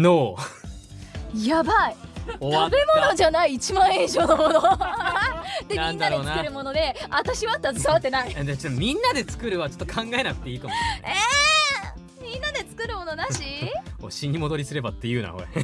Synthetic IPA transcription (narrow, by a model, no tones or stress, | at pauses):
noː | jabaioabe̞mo̞no̞d͡ʑanaiːt͡ɕimãɰ̃ẽʑoːnomono | d̪eniãñnd̪aɾenakɯɾɯ̟mo̞no̞d̪e̞at̪aɕiβat̪ːazɨsaβat̪ːe̞naid̪et͡ɕ̪mʲĩnːad̪e̞t͡sɨ̥kɯ̟ɾɯ̟βat͡ɕo̥t̪ːokʰãŋɡae̞nakɯ̟t̪e̞iːkamo̰eː | mʲĩnːad̪e̞t͡sɨ̥kɯ̟ɾɯ̟mo̞no̞d̪aɕioɕiɲ̟ːimo̞d̪o̞ɾʲisɨɾe̞bat̪ːe̞jɯ̟ːna̰hoɾḛ